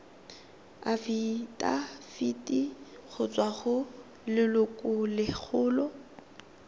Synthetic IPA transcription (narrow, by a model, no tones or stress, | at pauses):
afitʼa̰fitʼi | ɣʊt͡sʼwaχʊ | lɪlʊkʼʊlɪk͡xʰʊːlɔ